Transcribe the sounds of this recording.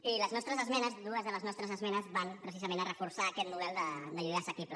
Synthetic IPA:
iləznɔst̪ɾəzəzmɛnəzðuəzðələznɔst̪ɾəzəzmɛnəzβanpɾəs̬izəmẽnərəfuɾsaːkɛt̪nuβɛlˠd̪əd̪əʎuðasəkiplə

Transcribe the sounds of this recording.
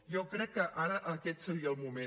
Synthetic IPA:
jokɾɛkːəʔaɾəʔəkɛt̪səɾiəːlˠmumẽ

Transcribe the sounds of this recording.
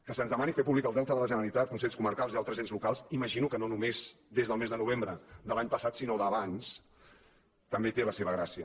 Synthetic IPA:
kəsənzðəmanifepuβlikəlˠdɛlˠt̪əðələʒənəɾəlit̪at̪̚kunseʎskuməɾkalˠzialˠt̪ɾəzenzlukalˠsiməʒinukənonumez̥d̪ezðəlˠmezðənuβ̞embɾəd̪əlaɲpəsat̪sinoðəβans | t̪əmbet̪eləseβəɣɾasiə

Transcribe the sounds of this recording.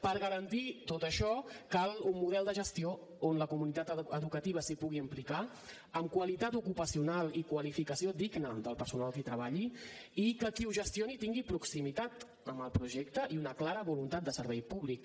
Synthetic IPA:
pəɾɣəɾənt̪it̪ot̪əʃɔkalˠummuðɛlˠd̪əʒəst̪io | onləkumunit̪at̪əðukət̪iβ̞əsipuɣiəmplika | əmkwəlit̪at̪ukupəsiunalikwəlifikəsiod̪iɡnəðəlˠpəɾsunalˠkit̪ɾəβaʎiikəkiuʒəst̪ionit̪iŋɡipɾuksimit̪at̪ | əməlˠpɾuʒɛk̚t̪əʔiunəklaɾəβulunt̪at̪̚d̪əsəɾβɛjpuβlik

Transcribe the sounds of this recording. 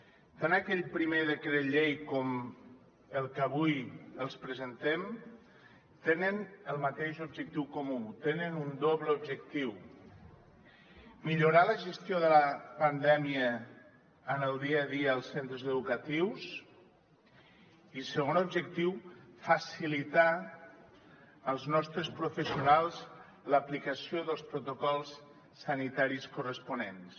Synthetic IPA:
t̪anakɛʎpɾimeðəkɾeʎejkɔm | əlˠkəβujəlˠspɾəzənt̪ɛm | t̪enənəlˠmat̪eʃubʒək̚t̪iwkomut̪enənund̪oβləubʒək̚t̪iw | miʎuɾaləʒəst̪joðələpand̪ɛmiəː | nəlˠd̪iaðiəːlˠsent̪ɾəzəðukət̪iws | isəɣonubʒəkt̪iwfəsilit̪a | əlˠznɔst̪ɾəspɾufəsiunalˠz | ləplikəsioðəlˠspɾut̪okɔlˠsː | ənit̪aɾiskurəspunens

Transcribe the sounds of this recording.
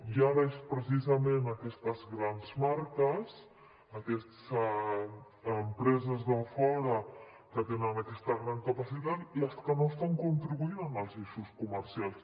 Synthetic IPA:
iaɾespɾəsizəmenəkɛst̪əzɣɾanzmaɾkəs | əkɛst̪s | əmpɾɛzəzðəfɔɾə | kət̪enənəkɛst̪əɣɾaŋkəpəsit̪at̪iəskənoəst̪aŋkunt̪ɾiβuinənəlˠziʃuskuməɾsialˠs

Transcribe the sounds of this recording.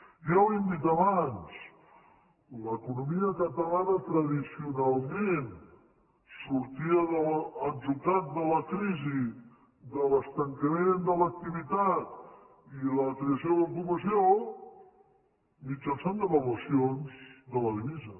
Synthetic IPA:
ʒawind̪it̪əβans | ləkunumiəkət̪əlanət̪ɾəðisiunalˠmen | suɾt̪iəðələd͡ʒut̪at̪̚d̪ələkɾizi | ðələst̪əŋkəmend̪ələk̚t̪iβit̪at̪ | iləkɾeəsioðəlkuβəsio | mit͡ʃənsand̪əβəluəsionzd̪ələðiβizə

